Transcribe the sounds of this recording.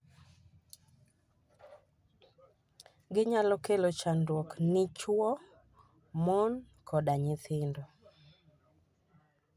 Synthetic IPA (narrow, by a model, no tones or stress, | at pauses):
ɡɪɲalɔkelot͡ʃandwɔknɪt͡ʃwɔ | mɔn | kʰɔɗaɲɪθɪndɔ